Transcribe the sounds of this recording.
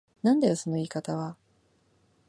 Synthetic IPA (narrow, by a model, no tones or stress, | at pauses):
nãnd̪ajo̞so̞no̞iːkat̪aβa